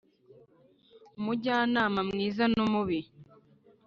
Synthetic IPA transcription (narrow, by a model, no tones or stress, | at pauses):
muɟaːnaːmamŋiːzanumuβi